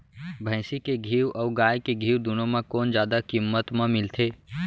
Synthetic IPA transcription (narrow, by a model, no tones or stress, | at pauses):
bʱə̃ɪsikeɡʱiːwɔːɡaːjkeɡʱiːwd̪unõmẽkoːnd͡ʒjaːd̪akimːət̪mẽmɪlt̪ʰeː